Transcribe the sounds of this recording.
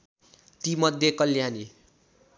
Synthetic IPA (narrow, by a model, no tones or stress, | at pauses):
t̪imʌd̪ʱjekʌljani